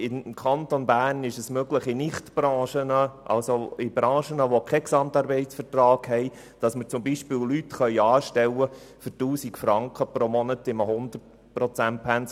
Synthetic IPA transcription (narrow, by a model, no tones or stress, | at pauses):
ɪnkʰɑnt̪onbæːrnɪʃəsmøɡləχɪnɪχtbrɑ̃ːʃənəʔɑ̰lsoɪbɾɑ̃ːʃənəʋokʰɛksɑmt̪ɑɾbɛɪtsfərtrɑːɡhɛɪ | d̥ɑsməɾt͡sʊmbiʃpɪːwlytχœʏɑːʃtɛwːə | fʏɾtuːsikfɾɑŋkχəpɾomɔnətɪməhʊnd̪ərt | prɔt͡sænt̚pʰæns